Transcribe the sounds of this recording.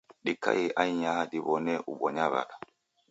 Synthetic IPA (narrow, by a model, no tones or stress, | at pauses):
ɗikːa̰jiʔajɲahadibɔnɛʔubɔɲaβa̰ɗa